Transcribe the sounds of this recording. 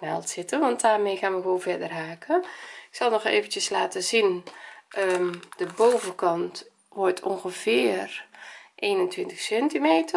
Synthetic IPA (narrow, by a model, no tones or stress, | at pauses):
na̰lˠtsɪtənʋɑnt̚daːrmeːxaːnʋəʋoːnvɛdərhaːkəɪksɑlˠnɔxḛːvəntjəslaːtəzinʔəd̥əbowvəkɑnt | ʋɔɹtʰo̰ŋxəvɪːərʔeːnəntʋɪntəxsɛntimeːtə